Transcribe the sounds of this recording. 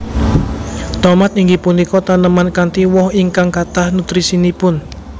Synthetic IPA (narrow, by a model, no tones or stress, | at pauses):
t̪ɔmat̪iŋɡipunikɔt̪anəmankant̪iwɔhiŋkaŋkat̪ahnut̪ɾisinipʊn